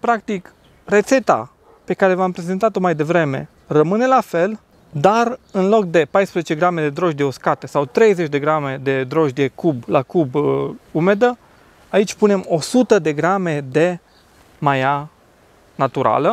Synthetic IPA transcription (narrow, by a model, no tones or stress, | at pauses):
pɾak̚t̪ik | re̞t̪se̞t̪a̰ | pe̞kaɾe̞vampɾe̞zent̪at̪o̞majd̪e̞vɾe̞me̞̰ | rəmɨne̞lafe̞l | d̪arɨnlo̞k̚d̪e̞pajspɾezet͡ʃe̞ɡɾame̞d̪e̞d̪ɾo̞ʒd̪eoskat̪esawt̪ɾe̞jze̞t͡ʃʲd̪e̞ɡɾame̞d̪e̞d̪ɾo̞ʒd̪ekublakubumed̪ə | ait͡ʃʲpune̞mo̞sut̪əd̪e̞ɡɾame̞d̪e̞ | maja | nat̪uɾa̰lə